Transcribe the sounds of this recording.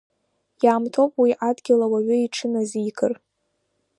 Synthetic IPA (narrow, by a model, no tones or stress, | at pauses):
jaːmtʰopʼwiʔadɡʲɪlawaɥʏiʈ͡ʂʰɨnaziːkʰɨr